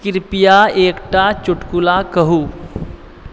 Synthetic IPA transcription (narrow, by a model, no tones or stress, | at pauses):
kɪɾpijaeːkʈat͡ʃʊʈkulakəɦuː